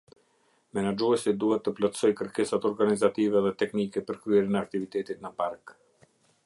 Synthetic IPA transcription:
mɛnad͡ʒuɛsid̪uhɛt̪ːəplɔt̪sɔjkəɾkɛsat̪ɔɾɡanizat̪ivɛðɛt̪ɛknikɛpəɾkɾyɛɾinɛak̚t̪ivit̪ɛt̪it̪nəpaɾk

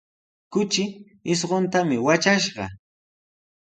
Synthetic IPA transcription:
kʊt͡ʃɪ | ɪs̬ɢont̪amɪwat͡ʃaʃɢɑ̰

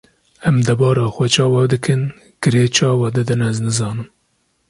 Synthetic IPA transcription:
ɛmd̪ɛbɑːɾɑːxʷɛt͡ʃʰɑːwɑd̪ɨkɨn | ɡ̥ɨɾeːt͡ʃʰɑːwɑd̪ɨd̪ɨnɛznɨzɑːnɨm

